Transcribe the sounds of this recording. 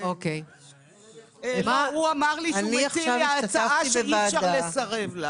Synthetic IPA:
okej | mauamaʁlianiaχiʃavaat͡safaibevaːʃadalesaʁevla

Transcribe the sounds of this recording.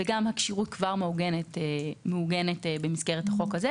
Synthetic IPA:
veɡamhakʃiʁutkvaʁmeuɡenetemeuɡenetbemisɡeʁethaχo̞khaze

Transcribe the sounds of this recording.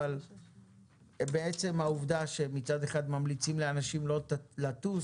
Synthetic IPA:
al | beet͡se̞mauvd̪aʃe̞mit͡sad̪e̞χad̪mamlit͡simleanaʃimlolatu

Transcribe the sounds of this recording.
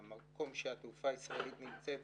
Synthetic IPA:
mako̞mʃeat̪ufaisʁaelit̪nimt͡sev

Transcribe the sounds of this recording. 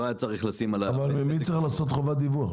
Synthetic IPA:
ajat͡saʁiχlasimalaavalmimit͡sʁiχlaːso̞t̪χo̞vad̪ivuaχ

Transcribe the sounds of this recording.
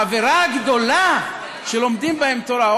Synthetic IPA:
aveɾaɡd̪o̞la | ʃelo̞md̪imbahe̞mt̪o̞ɾao

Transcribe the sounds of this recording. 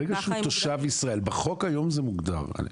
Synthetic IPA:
eɡaʃeut̪oʃavisʁae̞lbaχo̞kajo̞mzemuɡd̪a̰ʁa̰

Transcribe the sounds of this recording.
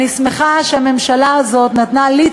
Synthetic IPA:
ismeχaʃeame̞mʃalaazo̞t̪nat̪nali

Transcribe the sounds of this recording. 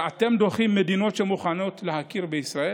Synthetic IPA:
at̪e̞md̪oχimːed̪ino̞t̪ʃemuχano̞t̪lehakiɾbeisʁae

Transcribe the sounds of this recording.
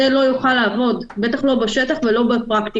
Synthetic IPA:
elo̞juχalaːvo̞dbe̞t̪aχlo̞baʃet̪aχvelo̞bepʁakt̪i

